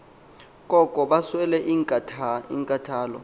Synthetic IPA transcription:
k̬ʼɔkʼɔɓaswɛlɛʔiŋkʼatʰiŋkʼatʰaːlɔ̰

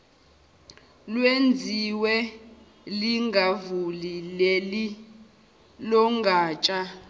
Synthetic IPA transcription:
lwend͡zʱiwɛ | liŋɡʱavulileli | lɔŋɡʱaːt͡ʃʼa

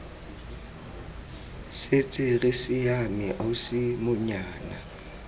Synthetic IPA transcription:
set͡sʼɪrɪsɪjamɪʔaʊsɪmʊɲaːna

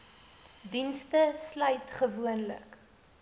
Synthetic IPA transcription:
dinstəslœɥtχəvuənlə̰k

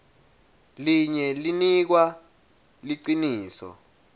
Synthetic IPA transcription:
liɲɛlinik̬wa | liǀiniːsɔ̰

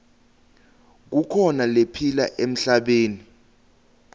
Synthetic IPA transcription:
k̬ukʰɔnalepʰila̰ʔem̩ɬaɓeːni

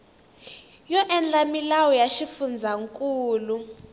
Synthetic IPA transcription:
jɔʔɛnd͡ɮʼamilawɔjaʃifund͡zʱaŋkʼuːlu

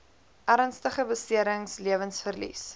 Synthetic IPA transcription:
ʔæɾnstəχəbəstiəɾəŋsliəvənsfərlḭs

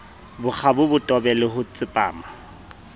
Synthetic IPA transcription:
bʊk͡xʰabʊbʊtʼɔbɛlɪɦʊt͡sʼɪpʼa̰ːma

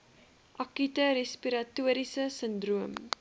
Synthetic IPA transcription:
ʔɐkytəɾespiɾɐtuəɾisəsəndruəm

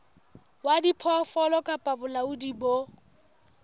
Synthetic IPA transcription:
wadipʰɔfɔlɔkʼapʼabʊlaudibo

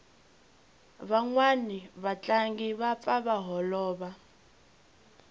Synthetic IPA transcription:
βaŋwaniβat͡ɬʼaŋɡiβap̪faβaɦɔlɔːβa

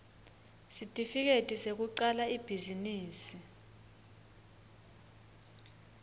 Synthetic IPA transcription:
sitʼifik̬etʼisek̬uǀalaib̥ʱiziniːsi

